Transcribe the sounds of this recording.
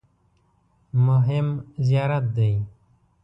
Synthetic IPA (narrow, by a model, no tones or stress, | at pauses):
mʊɦɪmzjaːɾət̪̚d̪ei